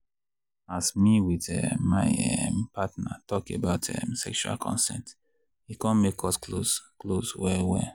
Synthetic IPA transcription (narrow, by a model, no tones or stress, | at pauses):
asmiwiðɛmaɪɛmpatna̰tɔkebaʊtʰɛ̰msɛkʃua̰lkʰɔ̰̃nsɛ̰̃nt | ikɔ̃nmekʰɔskloskloswɛwɛ